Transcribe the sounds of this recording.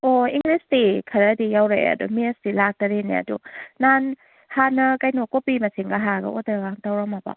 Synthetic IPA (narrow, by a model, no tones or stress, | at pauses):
oiŋɡɾestikʰɐɾɐdijawɾaja̰dṵmiestilak̚dɐɾenḭa̰dṵnan | hanɐkajnokopimɐsiŋɡaɦaɡɐ̰ʔodɐɡaŋtawɾamaba̰